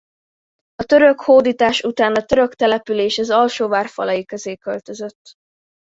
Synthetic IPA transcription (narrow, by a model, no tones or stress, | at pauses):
ɒt̪ø̞ɾø̞khoːd̪iːt̪aːʃut̪aːnɒt̪ø̞ɾø̞kt̪ɛlɛpyleːʃɛzɒlʃoːvaːrfɒ̰lɒjikøzeːkølt̪ø̞zø̞t̪ː